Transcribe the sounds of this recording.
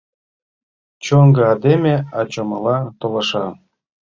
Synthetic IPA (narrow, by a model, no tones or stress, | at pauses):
t͡ɕoŋɡɤ̆ɑd̪emʲeɑt͡ɕomɤ̆lɑt̪olɤ̆ʃɑ